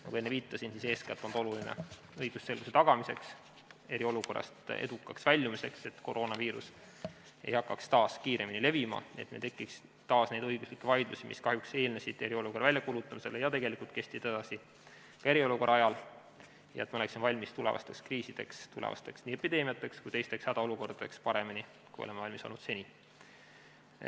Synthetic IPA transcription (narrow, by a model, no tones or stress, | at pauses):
nɑkuenːeviːt̪ːˑɑsinsise̞ːskɑt̪ːˑond̪o̞lulinḛ | ɤjɡ̥usse̞lɡ̥use̞t̪ɑɡ̥ɑmise̞ks | e̞ɾio̞luko̞rːɑ̰st̪ḛd̪ukːˑɑksvælʲːumise̞kse̞t̪ko̞ɾo̞ːnɑviːɾṵs | e̞̰jhɑkːˑɑkst̪ɑːskiːɾe̞minile̞vimɑ̰nḭet̪met̪e̞kːˑiks | t̪ɑːsne̞jd̪ɤ̞jɡ̥uslikːevɑjd̪̥lusimḭskɑhjukse̞ːlnesid̪̥e̞ɾio̞lukrvælʲjɑkulut̪ːˑɑmise̞lejɑt̪e̞ɡe̞likult̪̚ke̞st̪it̪ɑd̪ɑsi | kɑe̞ɾio̞luko̞rʔɑɑjɑl | jɑ̰e̞t̪mɑoleksimvɑlʲmist̪ule̞̰vɑ̰st̪e̞kskriːsid̪̥e̞̰kst̪ulḛvɑ̰st̪e̞ksniːe̞pːˑid̪e̞ːmiɑt̪ːˑe̞kskujt̪e̞jst̪e̞kshæd̪̥ɑo̞luko̞rd̪̥ɑd̥̪e̞kspɑɾe̞mini | kujo̰lemːeɑlʲmisolnud̪̥se̞nʲi